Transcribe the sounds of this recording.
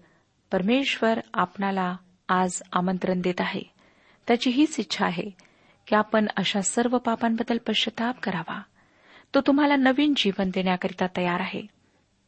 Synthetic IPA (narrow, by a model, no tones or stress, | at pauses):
pəɾmeɕʋəɾapnalaː | d͡zamənt̪ɾənd̪et̪aɦḛ | t̪jat͡ɕiːɦiːsitːɕʰaːɦe | kiapəɳəɕasəɾʋəpapambəd̪ːəlpəɕət̪ap̚kəɾaʋa̰ | t̪ot̪um̤alanəʋiːnd͡ʑiʋənd̪eɳjakəɾit̪at̪əjaɾaɦḛ